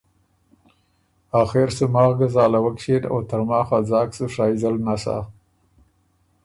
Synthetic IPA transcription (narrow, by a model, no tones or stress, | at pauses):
aːxeɾsumɑːɣɡazɑːlawakʃeno̰t̪aɾmɑːxad͡zɑːksuʂaːizalnasa̰ː